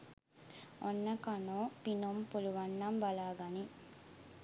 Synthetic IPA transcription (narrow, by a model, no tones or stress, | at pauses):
onːəkanoːpinompuluʋanːambalaːɡani